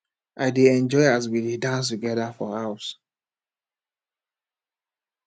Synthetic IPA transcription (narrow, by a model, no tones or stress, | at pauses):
ʔaɪdeɛ̃nd͡ʒɔɪaz̬wilidãns̬tuɡɛðafɔaʊs